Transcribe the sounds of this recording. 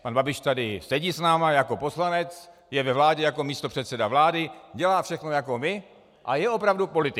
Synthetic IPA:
panbabɪʃt̪adɪsɛɟisnaːmajako̞po̞slanɛt͡s | jɛvɛvlaːɟɛjako̞miːst̪o̞pr̝̥ɛt̪sɛdavlaːdɪɟɛlaːfʃɛxnojako̞mɪ | ʔajɛo̞pɾavdupo̞lɪt̪ɪ

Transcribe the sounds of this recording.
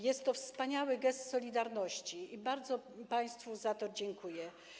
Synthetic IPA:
jɛst̪ːɔfspaɲawɘɡɛst̪sɔlʲid̪aɾnɔɕt͡ɕiibaɾd̪zɔpaj̃st̪fuzat̪ɔd͡ʑɛŋkujɛ

